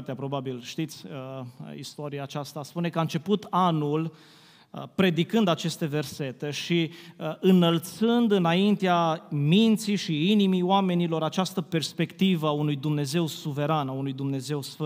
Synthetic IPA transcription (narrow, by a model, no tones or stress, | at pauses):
t̪eapɾo̞babilʃt̪it̪sʲəḭst̪oɾiaːt͡ʃast̪aspune̞kaɨnt͡ʃe̞put̪anul | pɾe̞d̪ikɨnd̪at͡ʃe̞st̪e̞ve̞rse̞t̪e̞ʃiɨnəlt̪sɨnd̪ɨnaint̪eamint̪siʃiinimioame̞nilo̞ɾat͡ʃast̪əpe̞rspe̞kt̪ivəaunujd̪umne̞ze̞wsuve̞ɾanaunujd̪umne̞ze̞wsf